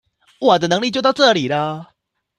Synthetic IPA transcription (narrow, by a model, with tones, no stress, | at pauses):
wɔ˨˩d̪ə˧nɤ˧˦ŋli˥˧t͡ɕjo˥˧t̪ʊʈ͡ʂɤ˥˩li˨˩lə˦˩